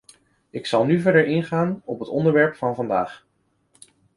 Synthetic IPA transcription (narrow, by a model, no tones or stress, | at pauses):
ɪksɑlˠnyvɛɹdəɹɪnχaːnɔpɦətɔndəɹʋɛɹpfɑnvɑnda̰ːχ